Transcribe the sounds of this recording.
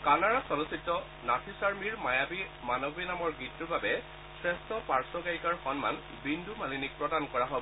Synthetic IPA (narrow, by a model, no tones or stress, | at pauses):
kanaɹasɔlusitːɔ | natʰisaɹmiɹmajabimanɔbinamɔɹɡitːubabɛ | sɹɛstɔpaɹsɔɡaɹikaɹxɔnma̰n | bindʱumalinik̚pɹɔdankɔɹaɦobɔ